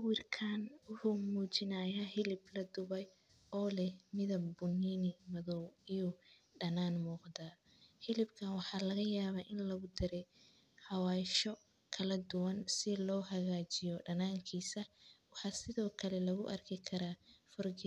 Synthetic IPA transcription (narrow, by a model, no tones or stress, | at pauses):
wɪrkʰaːnʊhʊmuːt͡ʃɪnaːjahɪlɪblɐd̪ʊβɛj | ɔːlɛhmɪðɐbʊniːnɪmɐðɔwijʊ | ɖɐnaːnmuːqd̪aː | hɪlɪbkʰɐnwɑħɑːlɐɣɐjaːβaːʔɪnlɐɣʊd̪ɪɾɛj | hɑwaːɪʃɔ | kʰɐlɐd̪ʊwɐnsɪlɔːɦɐɣaːt͡ʃɪjɔɖɐnaːŋkʰiːsɐwɑħɑːsɪðɔːkʰɐlɛlɐɣʊʔɐrkʰɪkʰɐɾaːfɔrɡɪ